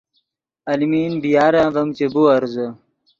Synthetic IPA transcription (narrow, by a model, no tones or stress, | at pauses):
ɐlimiːnbijaːɾãːvɐmt͡ɕebuɐɾzə